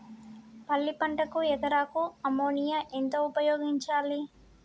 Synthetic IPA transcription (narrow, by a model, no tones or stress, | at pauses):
pɐlːipɐɳʈɐkuɛt̪ɐɾaːkuɐmoːnijaʔent̪o̞ːupɐjoːɡiɲt͡ʃaːli